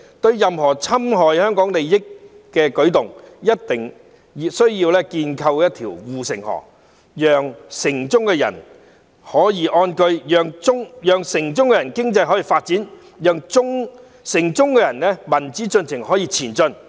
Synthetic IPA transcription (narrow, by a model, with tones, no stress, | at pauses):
t̪ɵ˧ɥjɐ˨mhɔː˨˩t͡sʰɐ˥mɦɔː˨˩jhœː˥ŋkɔː˨˥ŋle˨jjɪ˥kː | ɛː˧kɵ˨˥ɥt̪ʊ˨ŋjɐ˥t̚t̪ɪ˨˩ŋ | jsɵ˥ɥjiː˧wlɛː˥kiː˧nkʰɐ˧wjɐ˥t̚t̪ʰiː˨˩wwuː˨sɪ˨˩ŋhɔ̰˨˩k | jœː˨ŋsɪ˨˩ŋt͡sʊ˥ŋkɛ˧jɐ̰˨˩n | hɔː˨˥jiː˨ʔɔː˧nkɵ˧ɥjœː˨˧ŋt͡sʊ˥ŋjœː˨ŋsɪ˨˩ŋt͡sʊ˥ŋkɛ˧jɐ˨˩nkɪ˥ŋt͡sɐ˧jɦɔː˨˥jiː˨˩faː˧t̚t͡siː˨˥n | jœː˨˧ŋt͡sʊ˥ŋ | sɪ˨˩ŋt͡sʊ˥ŋkɛː˧jɐ˨˩nlɛː˥mɐ˨˩nt͡siː˨˥t͡sɵ˧nt͡sʰɪ˨˩ŋhɔː˨˥jiː˧t͡sʰiː˨˩nt͡sɵ˧n